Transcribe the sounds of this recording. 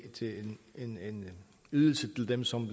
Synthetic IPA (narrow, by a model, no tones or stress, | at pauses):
t͡sʰe̝lene̝ne̝n | yðˠl̩sət͡sʰe̝ld̥emsɒ̽mb